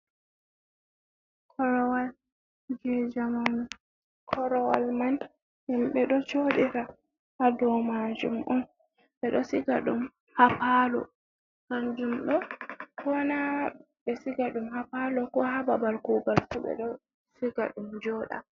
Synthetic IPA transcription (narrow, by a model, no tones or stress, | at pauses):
kʰɔɾwal | d͡ʒɛd͡ʒaman | kʰɔɾɔwalman | himɓɛɗɔt͡ʃoɗiɾa | hadɔmad͡ʒṵmʔɔn | ɓɛɗɔsiɡaɗum | hapalɔ̰ | kand͡ʒumɗɔkɔna | ɓɛsiɡaɗumhapalɔkɔhababalkuɡalsuɓɛ̰ɗɔ | siɡa̰ɗumd͡ʒɔɗa̰